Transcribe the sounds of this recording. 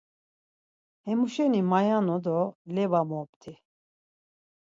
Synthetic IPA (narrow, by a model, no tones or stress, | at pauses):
hɛmuʃɛnimajanɔd̪ɔlɛvamɔpt̪ʰi